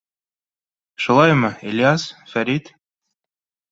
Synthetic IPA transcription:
ʃulˠɑjmɤelʲijasfæɾʲit̪

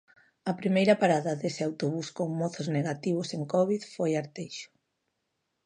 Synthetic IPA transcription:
ɐpɾimejɾɐpaɾaðɐðesɪawt̪oβuskoŋmɔθozneɣat̪iβ̞ʊseŋkɔβ̞iðfojaɾt̪ejʃʊ̥

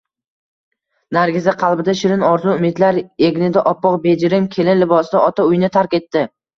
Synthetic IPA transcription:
naɾɡʲɪzaqʰɑlˠbɪd̪aʃɪɾɪnɒɾzʊʊmɪd̪laɾe̞ɡʲnɪd̪aʔɒpːɒqbe̞d͡ʒɪɾɪmkʲʰe̞lɪnlɪbɒsd̪aɒt̪ʰaʊjnɪt̪ʰaɾkʲe̞t̪ːɪ

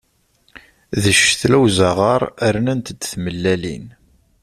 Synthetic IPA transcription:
ðəʃθlæwzaʁɑɾˤəɾnænt̪əd̪θməlːælḭn

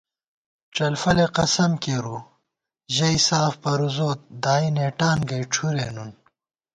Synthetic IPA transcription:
ʈ͡ʂɐlfɐleqɐsɐmkeːɾu | ʑɐisaːfpɐɾuzoːt̪̚d̪aːineːʈaːnɡɐjʈ͡ʂʰuɾeːnun

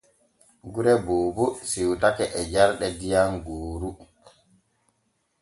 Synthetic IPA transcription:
ɡuɾɛboːbusiwtakɛʔɛd͡ʒaɾɗɛdijanɡoːɾu

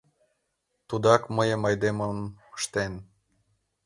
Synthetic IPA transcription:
t̪ud̪ɑkməjəmɑjd̪eməmə̥ʃt̪en

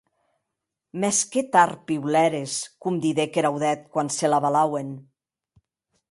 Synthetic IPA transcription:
mɛsket̪aɾpiwlɛɾeskumd̪iðekeɾawðɛt̪̚kwanselaβalawen

